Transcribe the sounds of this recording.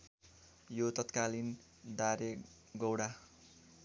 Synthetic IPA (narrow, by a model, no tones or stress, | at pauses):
jot̪ʌt̪kalin | daɾe | ɡʌwɽa